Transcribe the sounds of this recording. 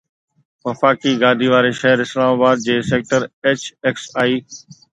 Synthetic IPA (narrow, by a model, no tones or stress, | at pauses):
ʋɐfaːkiɡaːd̪ʱiʋaːɾeʃɐɦəɾɪslaːmaːbaːd̪̚d͡ʑeːseːk̚ʈəɾeːt͡ɕeksaːiː